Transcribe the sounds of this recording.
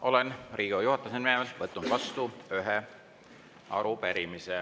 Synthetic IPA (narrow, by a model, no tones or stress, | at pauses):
ʔo̞lenriːɡujuhɑt̪ːˑɑsenmeemelvɤt̪ːˑund̪vɑst̪uyɦe | ɑ̰ɾupeɾimise